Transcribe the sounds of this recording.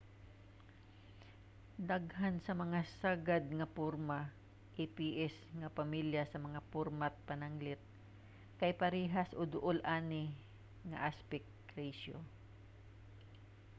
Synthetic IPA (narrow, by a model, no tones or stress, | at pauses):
d̪aɡɦansɐmɐŋasaɡad̪̚ŋɐpuɾma | ʔipiːʔɛsŋɐpɐmiljasɐmɐŋapuɾmat̪̚pɐnaŋlɪt̪̚ | kɐjpɐɾiːɦasʔod̪ʊʔolʔaːnɪ | ŋɐ̰ʔaspɛk̚ | ɾɛjso̰